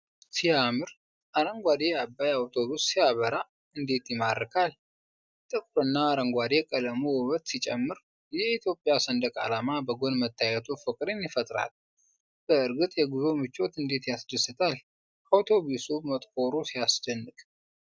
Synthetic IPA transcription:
sijamɨɾ | ʔaɾəŋɡʷad̪eabːajawt̪ʰo̞βusːijaβəɾa | ɨnd̪e̞t̪jɪmaɾːəkʰal | t̪ʼɨkʼɾɨnːaːɾəŋɡʷad̪e̞kʼələmuwəβət̪sit͡ʃʼɛmːɨɾ | jɛit̪ʰjo̞pʼːjasənd̪əkʼa̰lamabəɡo̞nmət̪ʰːajɛt̪ʰofəkʼɾenjɪfət̪ʼɾa̰l | b̥əɨɾɡɨt̪ʼjɛɡuzo̞mɨt͡ʃːo̞t̪ɨnd̪e̞t̪jasd̪əsːɨt̪ʰal | awt̪ʰo̞βusumət̪ʼkʼo̞ɾusijasd̪ənːɨkʼ

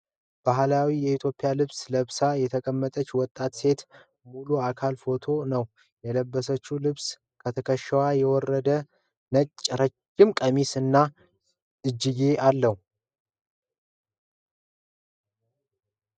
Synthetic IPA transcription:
b̥aɦlawijɛit̪ʰjo̞pʼːɪjalɨβsləβsajɛt̪ʰəkʼəmːət̪ʼət͡ʃːwɔt̪ʼːat̪se̞t̪ | muluakʰalfo̞t̪ʰo̞nəw | jɛləbːəsət͡ʃːulɨβs | kʰət̪ʰəkʰəʃːɛwajɛwɔrːəd̪ə | nət͡ʃʼːɾət͡ʃːɪmkʼəmisɨnːa | ʔɨd͡ʒːɪɡe̞ʔalːəhu

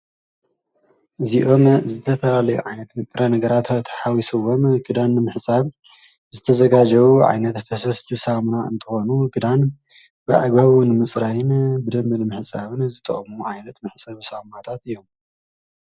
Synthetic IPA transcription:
ʔɨziʔo̞mzɨt̪ʰɐfɐlalɐjṵʕajnɐt̪nɨkʼɾɐnɐɡɐɾat̪t̪ʰħawisɨwːomɡɨd̪anːɨmɨħsʼaβ | zɨt̪ʰɐzɐɡad͡ʒɐβuʕa̰jnɐt̪fɐsɐst̪ʰisamunaɨ̰nt̪ʰɨxo̞nuɡɨd̪an | bɨʕa̰ɡβaβunmɨt͡sʼɾajɨnbɨd̪ɐmbɨnɨmɨħsʼaβɨnzɨt̪ʼɐ̰χʼmuʕajnɐt̪mɨħsʼaβusamat̪ʰat̪ɨjːo̞m

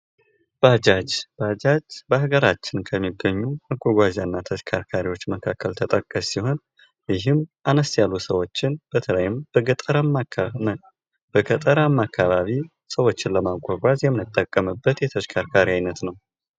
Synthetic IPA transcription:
b̥ad͡ʒad͡ʒb̥ad͡ʒad͡ʒbəhaɡəɾat͡ʃːɪnkʰəmːiɡːəɲːumaɡʷaɡʷazanːat̪ʰəʃkʰaɾkʰaɾiwo̞t͡ʃːməkʰːakʰːəlt̪ʰət̪ʼəkʼːəssiho̞n | jɪɦɨmʔanəst̪jalːusəwo̞t͡ʃːɪnb̥ət̪ʰələjɪmbəɡət̪ʼəɾa | b̥əɡət̪ʼəɾamːakʰːaβaβi | səwo̞t͡ʃːɪnləmaɡʷaɡʷazjɛmːɨnɨt̪ʼːəkʼːəmɨbːət̪jɛt̪ʰəʃkʰaɾkʰaɾiajnət̪nəw

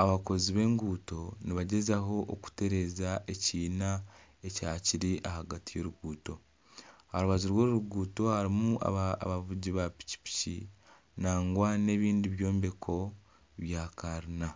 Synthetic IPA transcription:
aβako̞ziβe̞ːŋɡuːto̞niβaɟe̞zaɦo̞ʔːku̥te̞ɾe̞zaʔe̞ciːna | ecaːciɾiʔahaɡatijo̞ɾuɡuːto̞ | haɾuβazuɾwoːɾuɾuɡuːto̞haɾimua̰βaβuɟiβapi̥ci̥pi̥ci | naːŋɡwane̞βiːndiβjo̞ːmbe̞kʰo̞ | βjaːkaɾina

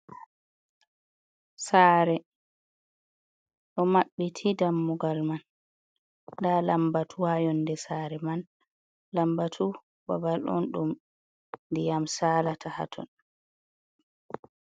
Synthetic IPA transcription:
saːɾɛ | ɗɔmaɓːitʰidamːuɡalman | daːlambatʰuajɔndɛsaːɾɛman | lambatʰu | babalɔ̰nɗum | ndijamsaːlatʰaha̰tʰɔ̰n

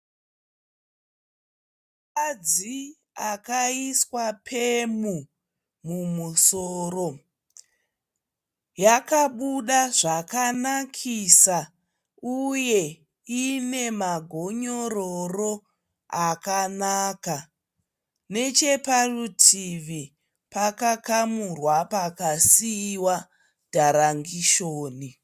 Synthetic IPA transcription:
kad͡zi | akaiswapʰemu | mumusoːro̞ | jakaɓuɗaʐakanakʰisa | uje̞ | ine̞maɡʱo̞ɲororo̞ | akanaːka | ne̞t͡ʃeparutʰiʋi | pakakamurwapakasiwa | d̥ʱaɾaŋɡiʃoːni

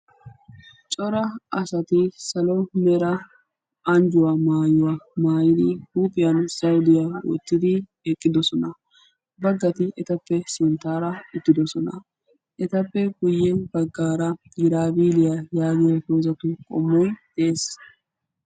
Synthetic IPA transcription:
t͡ʃʼɔɾɐʔɐsɐt̪ɪsɐlɔmɛɾɐ | ʔɐnd͡ʒʊwamaːjʊwamaːjɪd̪ɪhuːpʼɪjɐnsɐwʊd̪ɪjawɔ̰t̪ːɪd̪ɪ | ekʼːɪd̪ɔsɔnɐ | bɐɡːɐt̪ɪʔɛt̪ɐpːɛsɛnt̪aːɾɐɪt̪ːɪd̪ɔsɔnɐ̰ | ʔɛt̪ɐpːɛɡʊjːɛbɐɡːaːɾɐ | ɡɪɾaːbiːlɪjajaːɡɪjɐhoːzɐt̪ʊkʼɔ̰mːɔjd̪̥ɛʔeːs

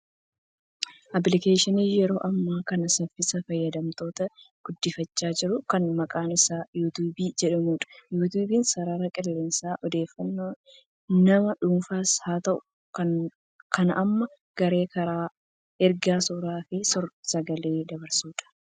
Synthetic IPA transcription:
ʔɐbɪlɪkeːʃɪniːjɛɾo̞ːʔɐmːaːkɐnɐsɐfːɪsɐfɐjːɐd̪ɐmt̪o̞ːt̪ɐ | ɡ̥ʊd̪ːɪfɐt͡ʃːaːd͡ʒɪɾʊkɐnmɐkʼaːnɪsaːjuːt̪uːbiːd͡ʒɛᶑɐmuːᶑɐ̥juːt̪̬uːbiːnsɐɾaɾɐkʼɪlːeːnsaːʔɔd̪e̞ːfːɐnːoː | nɐmɐᶑuːnfaːshaːt̪ɐʔʊ̥ | k | kɐnʔɐmːɐ | ɡ̥ɐɾe̞ːkɐɾaː | ɛɾɡaːsuːɾaːfɪsɔɾsɐɡɐleːd̪ɐbɐɾsuːᶑɐ̥

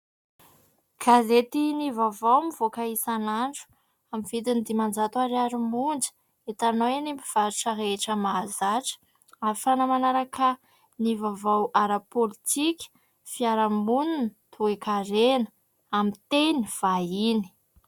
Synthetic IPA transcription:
ɡ̥azet̪inivavawmiv̥okaisanaɳʈ͡ʂu̥ | amiv̥id̪ind̪imand͡ʒat̪uaɾiaɾimund͡ʒə̥ | et̪anoenimbiv̥aɾiʈ͡ʂaɦeeʈ͡ʂəmazaʈ͡ʂə̥ | aɾifanəmanaɾakə | nivavawʔaɾapolit̪ʰikʲə̥ | fiaɾamununt̪ʰuekaɾenə̥ | amit̪eniv̥aini̥

